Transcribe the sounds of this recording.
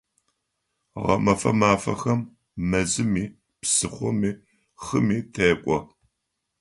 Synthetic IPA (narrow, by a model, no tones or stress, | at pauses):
ʁɐ̰mɐfɐ̰maːfɐ̰xɐmː | ɐzɨmiː | psɨχʷɔmiː | χɨmiːtʰeːkʷʼɔ